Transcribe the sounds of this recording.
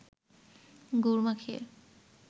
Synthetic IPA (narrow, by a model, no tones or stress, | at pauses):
ɡuɾmakʰḛ